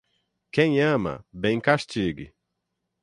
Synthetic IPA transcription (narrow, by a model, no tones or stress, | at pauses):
kẽj̃ɐ̃mɐ̰bẽj̃kaʃt͡ʃiɡɪ̰